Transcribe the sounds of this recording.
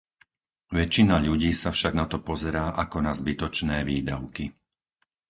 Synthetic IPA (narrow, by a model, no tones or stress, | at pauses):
ʋɛt͡ʃinaʎuɟiːsafʃaɡnat̪ɔpɔzɛɾaːʔakɔnazbit̪ɔt͡ʃnɛːʋiːd̪aʊki